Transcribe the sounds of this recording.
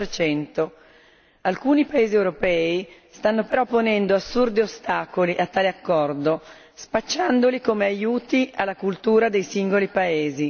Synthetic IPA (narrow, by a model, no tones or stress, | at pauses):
ɾt͡ʃɛnt̪o | alkuːnipaeːziewɾopɛːist̪anːopeɾɔpːonɛnd̪oasːurd̪iost̪aːkoliʔat̪ːaːleakːɔrd̪o | spat͡ʃːand̪olikomeajuːt̪ialːakult̪uːɾad̪ejsiŋɡolipaeːzi